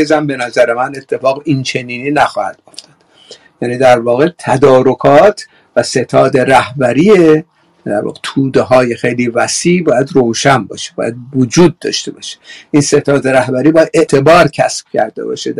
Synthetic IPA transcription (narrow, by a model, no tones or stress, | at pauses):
ezæmbe̞næzæɾemæne̞t̪ʰːe̞fɒːɣint͡ʃʰe̞niːniːnæxɒːhæ̰d̪̥oft̪ʰɒ̥d̪̥ | jæːniːd̪æɾvɒːɣe̞t̪ʰæd̪ɒːɾo̞kʰɒːt̪ʰ | væse̞t̪ʰɒːd̪e̞ɾæhbæɾiːe | d̪æ̰ɾvɒ̰ːɣet̪ʰuːd̪eɦɒːje̞xejliːvæsiʔbɒːjæd̪roːwʃænbɒ̰ːʃe̥bɒ̰ːjæd̪vod͡ʒuːd̪̚ːɒ̰ːʃt̪e̞bɒːʃe̥ʔinse̞t̪ʰɒːd̪e̞ɾæhbæɾiːbɒːjæd̪e̞ʔt̪ʰe̞bɒːɾcʰæ̰sb̥̚cʰæ̰ɾd̪e̞̰bɒ̰ːʃe